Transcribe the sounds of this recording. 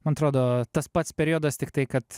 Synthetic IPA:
mɐnɐt̪ɾoːd̪oːt̪ɐspɐt̪sʲpʲɛɾʲiɔːd̪ɐst̪ʲɪkt̪ɐɪkɐt̪

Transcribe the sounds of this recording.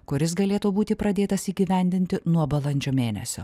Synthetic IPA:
kʊɾʲɪs̬ɡɐlʲeːt̪uːbuːt̪ʲɪpɾɐd̪ʲeːt̪ɐsiːɡʲiʋʲɛnʲd̪ʲɪnʲt̪ʲɪnuɔbɐlˠɐnʲd͡ʒʲoːmʲeːnʲɛ̰sʲo̰ː

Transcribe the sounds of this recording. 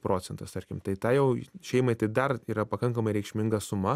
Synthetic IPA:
pɾʔoːt͡sʲɛnt̪ɐst̪ɐrʲkʲɪmt̪ɐɪt̪ɑːjɛʊʃʲɛɪmɐɪt̪ɐɪd̪ɐriːɾɐpɐkɐŋkɐmɐɪɾʲɛɪkʃʲmʲɪŋɡɐsʊmɐ

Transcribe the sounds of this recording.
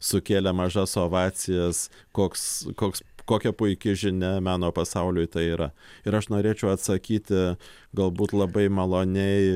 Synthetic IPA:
sʊkʲeːlʲɛmɐʒɐsoːʋɑːt͡sʲɪjɛs | koːkskoːkskoːkʲɛpʊɪkʲɪʒʲɪnʲɛmɑːnoːpɐsɐʊlʲʊɪt̪ɐɪiːɾɐɪɾɐʃnoːɾʲeːt͡ʃʲɛʊɐt̪sɐkʲiːt̪ʲɪ | ɡɐlˠbuːt̪lˠɐbɐɪmɐlˠoːnʲɛɪ

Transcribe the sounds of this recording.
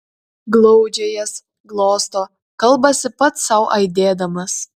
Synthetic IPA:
ɡlˠɔʊd͡ʒʲejɛs | ɡlˠoːst̪oː | kɐlˠbɐsʲɪpɐt̪sɐʊʔɐɪd̪ʲeːd̪ɐmɐs

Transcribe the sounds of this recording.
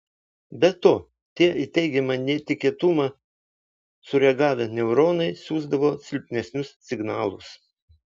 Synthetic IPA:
bʲɛt̪ːoː | t̪ʲiɛiːt̪ʲɛɪɡʲɛmɐnʲɛt̪ʲɪkʲiɛt̪ʊmɑ | sʊɾʲɛɡɑːʋʲɛnʲɛʊɾoːnɐɪsʲuːzd̪ɐʋoːsʲɪlʲpʲnʲɛsʲnʲʊssʲɪɡnɑːlˠʊs

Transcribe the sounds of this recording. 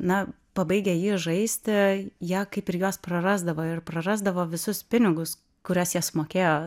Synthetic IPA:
nɐ | pɐbɐɪɡʲɛjiːʒɐɪsʲt̪ʲɪjiɛkɐɪpɪɾjoːsprɐrɑːzd̪ɐʋoːɪrprɐrɑːzd̪ɐʋoːʋʲɪsʊspʲɪnʲɪɡʊs | kʊɾʲɛsjiɛsmoːkʲeːjoː

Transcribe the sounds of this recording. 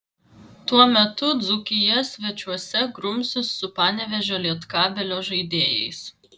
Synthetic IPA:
t̪uɔmʲɛt̪ʊd̪zʊkʲɪjɛsʲʋʲɛt͡ʃʲuɔsʲɛɡɾʊmʲsʲʊsːʊpɑːnʲɛʋʲɛʒʲoːlʲiɛt̪kɑːbʲɛlʲoːʒɐɪd̪ʲeːjɛ̰ɪs

